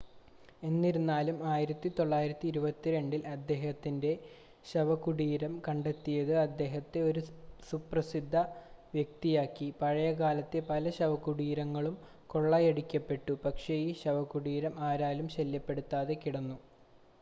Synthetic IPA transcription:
e̞nːiɾunːaːlumaːjiɾɐt̪ːit̪oɭːaːjiɾɐt̪ːiːɾubɐt̪ːiɾe̞ɳɖilɐd̪ːe̞ːhɐt̪ːinde̞ | ɕɐʋɐkuɽiːɾɐmkɐɳɖe̞t̪ːijɐðɨɐd̪ːe̞ːɦɐt̪ːe̞o̞ɾusuprɐsid̪ʱːɐʋjek̚t̪ijaːkːipɐɻɐjɐkaːlɐt̪ːe̞pɐlɐɕɐʋɐkuɽiːɾɐŋːɐɭum | ko̞ɭːɐjeɽikʲːɐpːe̞ʈːupɐkʂejiɕɐʋɐkːuɽiːɾɐmaːɾaːlumɕɐljɐpːe̞ɽut̪ːaːðe̞kiɽɐnːu

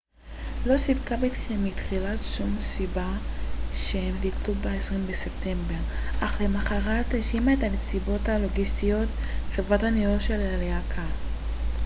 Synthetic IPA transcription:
lo̞sibkabitχimitχilatʃumsibaʃeemliklubeesʁimbesep̚te̞mbe̞ʁaχle̞maχaʁateʃimaetalsibo̞talo̞ɡistijo̞t | χevʁathanioʃelaleakʰa

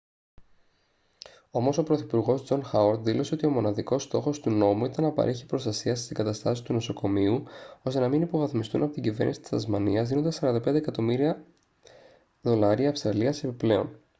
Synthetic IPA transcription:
o̞mo̞so̞pɾo̞θipuɾɣo̞zd͡zo̞nxɐwɐɾt̪ðilo̞se̞o̞t̪io̞mo̞nɐðiko̞st̪o̞xo̞st̪uno̞muit̪ɐnːɐpɐ̰ɾʔeçi̥pɾo̞st̪ɐsiɐsst̪iŋɡɐt̪ɐst̪ɐsi̥t̪uno̞so̞ko̞miuo̞st̪e̞nɐminipo̞vɐθmist̪ṵnɐpo̞t̪iɟive̞̰ɾnisi̥t̪i̥sɐzmɐniɐzðino̞nd̪esɐɾɐnd̪ɐpend̪ekɐt̪o̞miɾiɐ | ðo̞lɐɾiɐːfst̪ɾɐliɐse̞piple̞o̞̰n

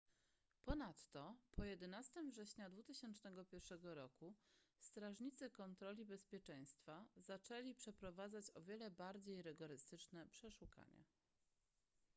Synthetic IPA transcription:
pɔnat̪ːɔpʰɔjɛd̪ɛnast̪ɘmvʐɛɕɲad̪vut̪ɘɕɛnt͡ʂnɛɡɔpʲjɛɾfʂɛɡɔɾɔkust̪ɾaʐɲit̪sɘkɔnt̪ɾɔlʲibɛspʲjɛt͡ʂɛj̃st̪fazat͡ʂɛlʲipʂɛpɾɔvad̪zat͡ɕɔvʲjɛlɛbaɾd͡ʑejɾɘɡɔɾɘst̪ɘt͡ʂnɛpʂɛʂuka̰ɲɛ̰

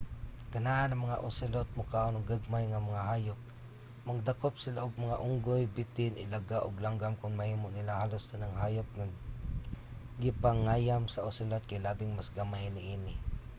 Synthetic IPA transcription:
ɡ̥anaʔanaŋmaŋa̰ʔʊsɪlot̪̚mʊkaʔonʊŋɡaɡ̚majŋamaŋaɦaːjʊp̚ | mɐɡ̚d̪akop̚sɪlaʔoɡ̚maŋaʔʊŋɡojbɪt̪ɪnʔɪlaɡaʔʊɡlaŋɡamkʊŋmahiːmʊʔnɪlahaːlost̪anaŋɦaːjʊp̚ŋa | ɡɪpaŋaːjamsaʔʊsɪlot̪̚kajlaːbɪŋmasɡamajnɪʔiːnɪ

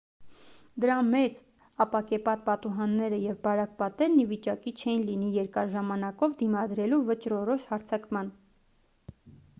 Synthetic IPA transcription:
d̪əɾɑmɛt͡s | ɑpɑkɛpɑt̪̚pɑt̪uɦɑnːɛɾəjɛvbɑɾɑk̚pɑt̪ɛɾnivit͡ʃɑkit͡ʃʰɛjinlinijɛɾkɑɾʒɑmɑnɑkɔvd̪imɑd̪ɾɛluvət͡ʃɾɔɾɔʃhɑɾt͡sʰɑkmɑn

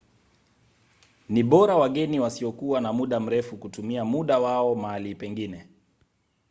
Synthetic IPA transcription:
niɓɔɾawaɠɛniwasiɔkuwanamuɗam̩ɾɛfukutumiamuɗawaɔmaalipɛŋɡinɛ

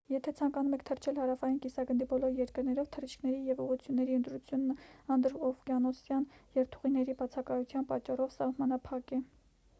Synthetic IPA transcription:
jɛt̪ʰɛt͡sʰɑŋkɑnumɛkʰt̪ʰərt͡ʃʰɛlhɑɾɑfɑjinkisɑɡənd̪ibɔlɔɾjɛɾkəɾnɛɾɔvt̪ʰərit͡ʃʰkʰnɛɾijɛvuʁut͡sʰjunːɛɾiənt̪ɾut͡sʰjunːəɑnd̪ɾɔvkjɑnɔsjɑnjɛvt̪ʰu̥ʁinɛɾibɑt͡sʰɑkɑjut͡sʰjɑnpɑt͡ʃːɑrɔvsɑhmɑnɑpʰɑkɛ

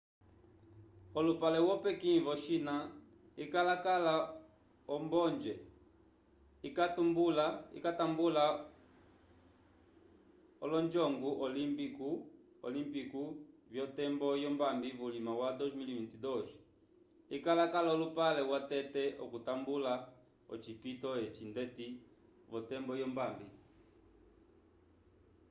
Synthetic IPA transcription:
ɔlupalɛwɔpɛkivɔʃina | ikalakala | ɔmbɔnd͡ʒɛ | ikatumbulaḭkatambula | ɔlɔnd͡ʒɔŋɡuʔɔlimpiku | ɔ̰limpikuvjɔtɛmbɔjɔmbambivulimawadɔzmilivintidɔʒi | ikalakalaulupalɛwatɛtɛʔɔ̰kutambula | ɔ̰t͡ʃipitɔjɛt͡ʃindɛti | vɔtɛmbɔjɔmbambi

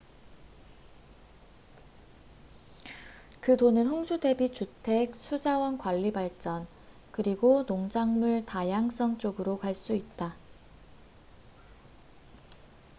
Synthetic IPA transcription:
kɯdonɯnɦoŋsʰude̞bit͡ɕutʰe̞k̚sʰud͡ʑawʌnkwaʎːibaɭt͡ɕ͈ʌn | kɯɾiɡonoŋd͡ʑaŋmuɭtajaŋs͈ʌŋt͡ɕ͈oɡɯɾokaɭs͈uit̚t͈a

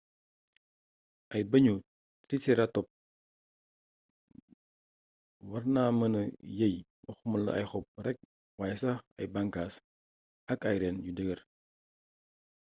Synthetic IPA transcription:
ʔɐjbɐɲu | tɾisiɾatɔp̚ | wɐrnaːmɐnɐjɐj | wɔxmɐlɐ̰ɐ̰jxɔp̚rɛk̚ | waːjsɐxɐ̰jbɐŋkaːs | ɐkɐjɾɛnɟudəɡər

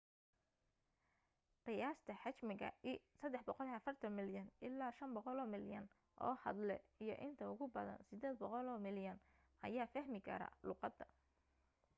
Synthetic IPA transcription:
qɪjaːst̪ʰɐħɑt͡ʃmɪɣɐ̰isɐd̪ːɛħbɔqɔlɐfɐrt̪ʰɐnmɪljɐnɪlːaːʃɐmbɔqɔlɔːmɪljɐn | ʔɔ̰ːhɐd̪lɛijɞʔɪnt̪ʰɐʊɣʊbɐðɐ̰nsɪd̪eːd̪bɔqɔlɔːmɪljɐn | ʔɐ̰jaːfɐhmɪkʰɐ̰ɾɐ̰ːlʊːqɑd̪ɐ

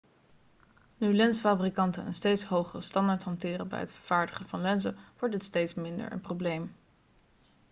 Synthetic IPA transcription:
nylɛnsfaːbrikɑntənə̰nstejtsɦowχərəstɑndaːɹtɦɑntɪːrəbɛ̰jɦətfəɹv̥aːɹdəχəvɑnlɛnzəʋɔɹt̚dɪtstejtsmɪndə̰ɹʔə̰nproblejm

